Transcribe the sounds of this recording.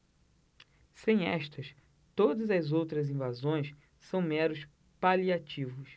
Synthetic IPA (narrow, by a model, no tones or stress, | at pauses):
sẽj̃ɛ̰ʃt̪ɐs | t̪od̪ɐzɐzowt̪ɾɐzĩvazõj̃s | sɐ̃w̃mɛɾʊs | paliat͡ʃivʊs